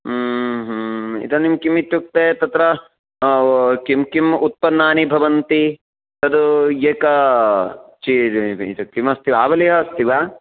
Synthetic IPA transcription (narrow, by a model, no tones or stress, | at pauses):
ɦḭt̪ɐnimkimit̪juk̚t̪et̪ɐt̪ɾɐ | kimkimut̪̚pɐnːaːnibʱɐʋɐnt̪i | t̪ɐd̪ujeːkɐ | t͡ʃiit̪ɐkimɐst̪iʋaːbɐliɦɐst̪ʰiʋaː